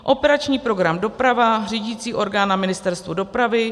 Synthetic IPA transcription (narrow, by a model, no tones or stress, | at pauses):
ʔo̞pɛɾat͡ʃɲiːpɾo̞ɡɾamdo̞pɾavar̝iːɟiːt͡siːʔo̞ɾɡaːnamɪnɪst̪ɛɾst̪vudo̞pɾavɪ